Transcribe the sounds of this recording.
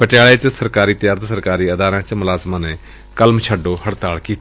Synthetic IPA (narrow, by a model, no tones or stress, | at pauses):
pəʈɪjaːɭeːt͡ʃsəɾkaːɾiːt̪ɪjəːɾt̪səɾkaːɾiːəd̪aːɾãːt͡ʃmʊlaːzmãːneː | kəlmt͡ʃʰəɖoːhəɽt̪aːɭkiːt̪ː